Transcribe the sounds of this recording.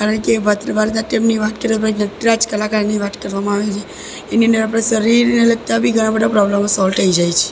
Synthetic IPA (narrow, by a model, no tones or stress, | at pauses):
kaɾəɳkeʋat̪ɾbʱaɾt̪aʈemniʋat̪kəɾeabəinəʈɾad͡ʒkəlakaniʋat̪kəɾʋamãaʋet͡ʃʰe | eniənɖəɾap̬ɽ̃esəɾiɾneləɡ̚t̪abʱiɡʱəɽ̃abəɖapɾɔbləmasɔlʈ̪ʰəid͡ʒajt͡ʃʰe̥